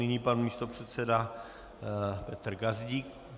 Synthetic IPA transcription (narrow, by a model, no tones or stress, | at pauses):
ɪɲiːpanmiːst̪opr̝̥ɛt̪sɛda | pɛt̪r̩ɡazɟik